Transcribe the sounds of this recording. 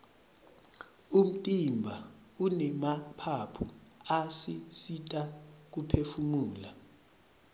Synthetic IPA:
um̩tʼimbʱa | unɛmapʰapʰuasisitʼak̬upʰefumuːla

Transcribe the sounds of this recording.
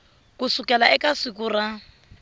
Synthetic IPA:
kusukʼɛlaɛkʼasɪkura

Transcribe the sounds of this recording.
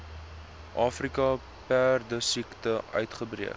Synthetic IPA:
ʔɑːfrikɐ | pærdəsiktəʔœ̰ɥtχəbriək

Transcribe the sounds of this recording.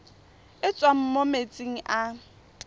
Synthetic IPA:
ɪt͡sʼwam̩momet͡sʼiŋ̩ʔa

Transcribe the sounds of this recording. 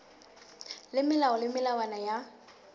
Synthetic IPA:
lɪmɪlaɔlɪmɪlawanaja

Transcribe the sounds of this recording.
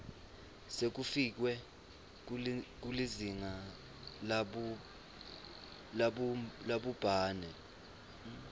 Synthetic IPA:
sek̬ufik̬wɛ | k̬uliziŋa | l | laɓlaɓub̥ʱaːnɛ

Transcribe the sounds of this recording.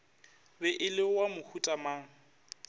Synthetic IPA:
bɛʔɪlɪwamʊhutʼamaːŋ̩

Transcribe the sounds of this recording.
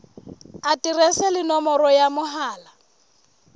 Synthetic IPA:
atʼirɛsɛlɪnɔmɔɾɔjamʊɦaːla

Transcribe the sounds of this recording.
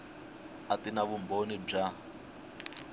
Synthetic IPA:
atinaβumbonib͡ʐa

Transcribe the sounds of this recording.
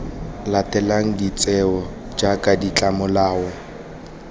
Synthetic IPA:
latʼɛlaŋ̩dit͡sʼɛɔ | d͡ʒakʼadit͡ɬʼamʊlaːɔ

